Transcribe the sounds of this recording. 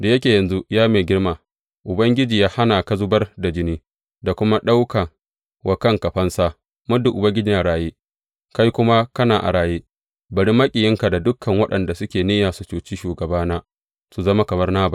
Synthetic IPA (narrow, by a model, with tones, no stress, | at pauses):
da˨jɐ˦kʲeː˨jɐ˨nzu˦jaː˦meː˨ɡʲɪ˦rmaː˨ | ʔʊ˨bɐ˦ŋɡʲɪ˦d͡ʒiː˨jaː˦ha˦naː˨ka˦zʊ˦bɐ˦rda˨d͡ʒɪ˦niː˦ | da˨kʷʊ˦ma˦ɗa˦wka˨ | wʔa˨kɐ˦˨ŋkɐ˨ɸɐ˦nsaː˦ | mʊ˦du˨ʔʊ˨bɐ˦ŋɡʲɪ˦d͡ʒiː˨ja˦ɽaː˨jeː˦ | ka˦jkʷʊ˦ma˦kɐ˦naː˨ʔa̰˨ɽaː˨jeː˦ | bɐ˨ɽi˦mːɐ˦kʲʼi˨jɪ˦ŋka˨da˨dʊ˦kʰːɐ˨ŋwɐ˦ɗɐ˨nda˨sʊ˦kʲeː˨neː˦jaː˨su˨t͡ʃuː˨t͡ʃiː˦ʃuː˨ɡɐ˨baː˦naː˦ | su˨zɐ˦ma˦kɐ˨mɐ˦rnaː˦ba˨